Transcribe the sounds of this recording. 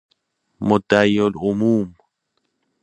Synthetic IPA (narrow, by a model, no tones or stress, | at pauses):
mot̪ajolumuːm